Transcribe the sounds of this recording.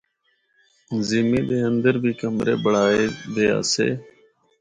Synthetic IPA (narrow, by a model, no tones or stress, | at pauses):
zɪːmiːɗ̪eːənd̪əɾbʱiːkəmɾḛːɓəɽ̤aːeːd̪eːa̰ːsḛː